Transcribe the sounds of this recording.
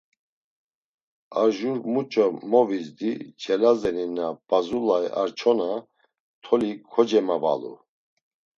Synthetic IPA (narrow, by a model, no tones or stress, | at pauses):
aɾʒuɾmut͡ʃʼɔmɔvisd̪it͡ʃʰɛlazɛninab̥azulaɛʔaɾt͡ʃʰɔna | t̪ʰɔlikʰɔd͡ʒɛmava̰lṵ